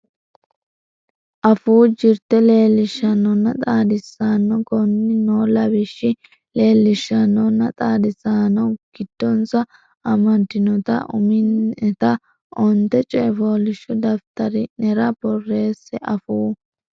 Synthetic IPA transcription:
ʔɐfuːd͡ʒɪɾt̪ɛle̞ːlːɪʃːɐnːɔnːɐt̪ʼaːd̪ɪsːanːɔkɔnːɪnoːlɐβɪʃːɪ | le̞ːlːɪʃːɐnɔnːɐt̪ʼaːd̪ɪsaːnɔɡ̥ɪd̪̥ːɔnsɐ | ʔɐmɐd̪ɪnɔt̪ɐ̰ʔʊ̰mɪnɛt̪ɐ | ʔɔnt̪ːɛt͡ʃʼɛːfoːlɪʃːɔd̪ɐft̪ɐɾɪnɛɾɐbɔrːe̞ːsːɛʔɐfuː

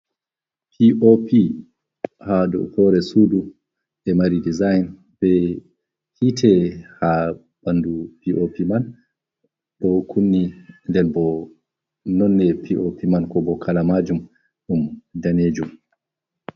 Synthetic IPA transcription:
pʰiʔopʰi | hadɔ̰hɔɾɛsuːdu | ɛmaɾidizajn | b̥ɛ | hitʰɛha | b̥andupiʔopiman | ɗɔkʰunːindɛnbɔ | nɔnːɛpiʔopimankɔbɔkʰalamad͡ʒum | ɗumdaneːd͡ʒum

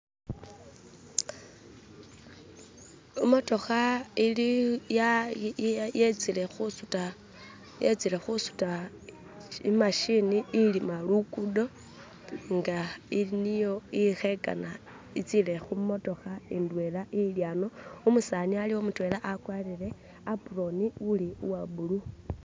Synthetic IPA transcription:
imo̞to̞xailija | jet͡sile̞xusuta | jet͡siɾe̞xusu̥ta | ḭmaʃiniːlimalukudo | ŋɡailinijo̞ixe̞ka̰na | it͡sile̞xumo̞to̞xaindwelaʔiljaːno̞umusanialiwomutwelaʔakwalile̞ | apuro̞niuliuwabulu

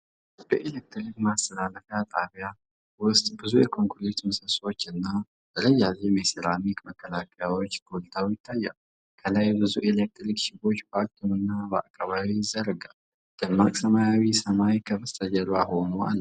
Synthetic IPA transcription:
b̥əʔelek̚t̪ɾikmast̪ʰəlaləfjat̪ʼaβja | wʊst̪ʼbɨzujɛkʰo̞ŋkuɾet̪mɨsəso̞t͡ʃːɨnːḁ | əɾəjːazemeseɾamikməkːəlakʰəjawo̞t͡ʃːɡolt̪ʰawjɪt̪ʰːajːa̰l | kʰəlajbɨzuʔelek̚t̪ɾikʃɪbo̞t͡ʃːpaɾt̪ʰumɨnːabəa̰kʼːaβaβizːəɾəɡal | d̪̥ɨmːakʼsəmajawisəmajkʰəməst̪ʰʼəd͡ʒəlwaɦo̞nua̰lː

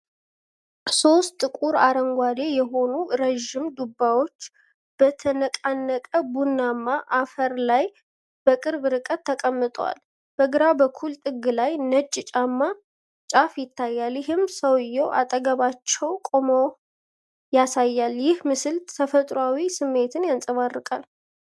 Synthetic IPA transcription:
so̞st̪ʼːɨkʷʼuɾaɾəŋɡʷad̪ejɛɦo̞nuɾəʒɪmd̪ubːawo̞t͡ʃː | b̥ət̪ʰənəkʼanːəkʼəbunːamːaʔafəɾlaj | b̥əkʼɨɾbɨɾɨkʼət̪ʰːəkʼəmːɨt̪ʼwa̰l | b̥əɡɨɾabəkʰult̪ʼɨɡːɨlajnət͡ʃʼːɪt͡ʃʼamːa | t͡ʃʼafjɪt̪ːajːaljɪɦɨmsəwɪjːɛwʔa̰t̪ʼəɡəβat͡ʃːɛwkʼo̞mow | jasajːaljɪhmɨsɨlt̪ʰəfət̪ʼɾawisɨmːe̞t̪ʰɨnjansʼəβarːɨkʼal

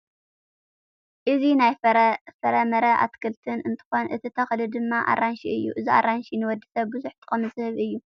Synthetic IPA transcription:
ʔɨzinajfɐɾɐmɐɾɐʔa̰t̪kʰɨlt̪ʰɨnɨnt̪ʰɨ̥xo̞nʔɨt̪ʰit̪ʰɐxlɨd̪ɨmːaʔa̰ranʃiʔɨjːṵʔɨziʔa̰ɾanʃinɨwɔd̪ːisɐβbɨzuħt̪ʰʼɨχʼɐmɨshɨβʔɨjːu

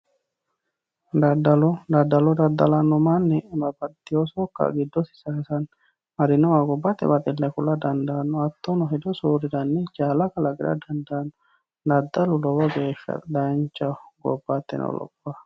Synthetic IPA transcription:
d̪ɐd̪ɐlɔd̪ɐd̪ːɐlɔd̪ɐd̪ːɐlanːɔmanːɛbɐbɐd̪ɪɔsɔkːa̰ɡɪd̪ːɔsɪ̥sɐhɛsɐn | mɐd̪ɪnɔwaɡɔbːat̪ːɛ̰bat̪ɪlːɛkʊlad̪ɐnd̪aːnːɔɐt̪ːɔnɔɦɛd̪ɔsuːɾɪd̪ɐnːɛd͡ʒaːlakɐlaɡɪd̪ɐ̰d̪ɐnd̪an | d̪ɐd̪ːɐlʊlɔwɔɡeːʃːɐ̰t̪d̪ant͡ʃɐɡɔ̰bːat̪ːɛ̰nɔ̰lɔ̰bːa

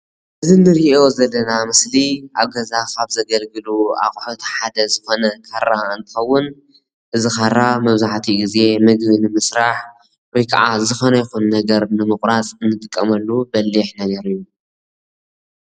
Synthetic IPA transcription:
ʔɨzinːɨɾiʔo̞zɐlːɐnamɨsliaβɡɐzakʰaβzɐɡɐlɡɨlua̰χʼħot̪ħad̪ɐzɨxo̞nɐkʰarːaɨnt̪ʰɨ̥xɐwːʊn | ʔɨzixaɾːamɐβzaʕt̪ʰiɡize̞mɨɡbinɨmɨsɾaħ | wɔjkʰa̰ʕazɨxonɐjɛxunːɐɡɐɾnɨmɨχʼɾasʼɨnːɨt̪ʼɨkʼːɐmɐlːubɐlːiħnɐɡeɾijːu

